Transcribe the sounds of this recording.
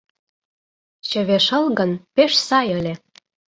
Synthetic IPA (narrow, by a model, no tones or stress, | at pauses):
t͡ɕə̆βeʃə̆lɣə̆npeʃsɑjə̆lʲĕ